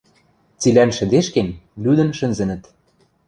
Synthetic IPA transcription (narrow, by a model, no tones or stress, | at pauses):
t͡silænʃɘ̆d̪eʃkenlyd̪ə̆nʃɘ̆nzɘ̆nɘ̆t̪